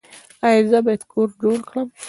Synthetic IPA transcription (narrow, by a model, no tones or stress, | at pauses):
ajizəbɑjad̪kʰoɾɖolkləm